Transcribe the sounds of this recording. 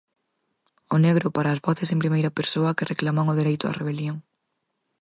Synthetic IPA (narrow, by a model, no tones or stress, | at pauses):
oneɣɾʊpaɾaːzβɔθesempɾimejɾɐpeɾsoɐkereklamaŋʊðeɾejt̪ʊɐ̰reβ̞eljoŋ